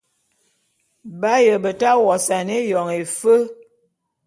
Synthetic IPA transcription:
ba˦jə˨bə˨ta˦wɔ˨sa˨ne˦jɔ˨ŋe˨fə˦

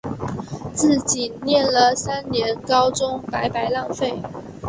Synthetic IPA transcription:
t͡sɹ̩˥˩t͡ɕi˨˩njɛ˥˩nlə˨sa˥nnjɛ˧˥nkɑ˥ʊʈ͡ʂʊ˥ŋpa˧˥ɪpa˧˥ɪlɑ˥˧ŋfe˥˩ɪ

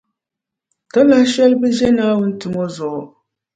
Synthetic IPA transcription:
ta˦la˦hʃɛ˦lbɨ˦ʒɛ˦naː˦wʊ˦n̩˦tɨ˨mo˦zʊ˨ʔʊ˨

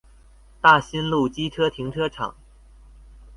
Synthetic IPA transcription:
t̪a˥˩ɕi˥nlu˥˩t͡ɕi˥ʈ͡ʂʰɤ˥t̪ʰi˧˥ŋʈ͡ʂʰɤ˥ʈ͡ʂʰɑ̰˨˩˦ŋ

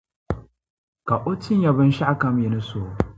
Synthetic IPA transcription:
ka˨ʔo˦tɪ˦n˦ja˨bɪ˦nʃa˦a˦kɐ˨m˦e˨nɪ˦soː˦˨

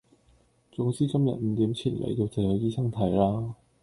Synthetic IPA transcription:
t͡sʊ˨˥ŋt͡siː˥kɐ˥mjɐ̰˨t̚m̩˨˧t̪iː˨˥mt͡sʰḭː˨˩nlʔḛ˨˧˥jt̪o˧wt͡sɐ˨˧jɵ˨˧jiː˥sɐ˥ŋt̪ʰɐ˨˥jlaː˥

